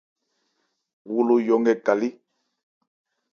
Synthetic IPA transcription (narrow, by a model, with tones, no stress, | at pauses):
wu˦lu˦jɔ˨ŋɡɛ˦ɡa˨li˦